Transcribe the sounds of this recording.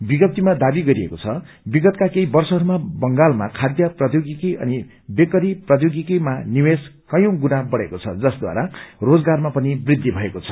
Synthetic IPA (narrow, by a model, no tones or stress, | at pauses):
biɡʌp̚t̪ːimad̪abiɡʌɾiḛkot͡sʰʌ | biɡʌt̪kakeibʌrsʌɦʌɾumabʌŋɡalma̰kʰad̪jʌprʌd̪joɡikiʔʌ̰ni | bekʌɾiprʌt̪joɡikimaniweskʌjõɡunabʌɽekot͡sʰʌ̰d͡zʌsd̪wa̰ɾarod͡zɡarmapʌnibrid̪ʱːibʱʌekot͡sʰʌ̥